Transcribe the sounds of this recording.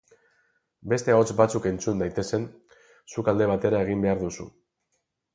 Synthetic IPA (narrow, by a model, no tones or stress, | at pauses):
be̞st̪e̞ot͡sbat͡suke̞nt͡sund̪ajt̪e̞se̞n | sukald̪e̞β̞at̪e̞ɾae̞ɣ̞imbe̞aɾðusṵ